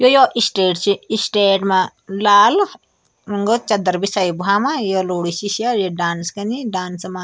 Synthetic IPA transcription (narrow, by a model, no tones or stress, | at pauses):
jojoʔisʈeːɖt͡ʃiisʈeːɖma | laːl | ŋɡot͡ʃɐd̪ɐɾbisɐjbuɦaːmajoloːɽisiʃajeɖaːnskɐniɖaːnsma